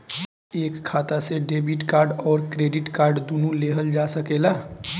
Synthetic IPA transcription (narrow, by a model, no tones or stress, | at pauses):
ekkʰːat̪aseɖebiʈkaɾɖɔːɾkɾeɖiʈkaɾɖd̪unũleɦəld͡ʒasəkela